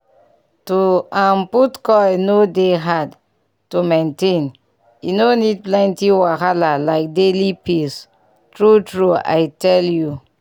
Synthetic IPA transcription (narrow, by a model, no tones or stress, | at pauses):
tuãmputkɔnodeɦad | tumẽntẽn | jinonid̚plɛ̃ntiwakalalaɪk̚delipis | tɹutɹua̰jtɛlju